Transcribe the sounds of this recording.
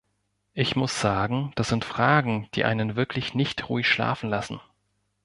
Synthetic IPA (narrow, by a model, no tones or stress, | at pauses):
ʔɪçmʊsz̥aːɡŋ̩d̥asz̥ɪntfʁ̥aːɡŋ̩d̥ḭːʔa̰ɪnənvɪɐkʰlɪçnɪçtʁṵːɪçʃla̰ːfn̩lasn̩